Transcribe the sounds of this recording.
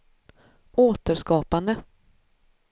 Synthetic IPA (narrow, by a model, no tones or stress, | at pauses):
oːt̪əɾʂkɑːpand̪ə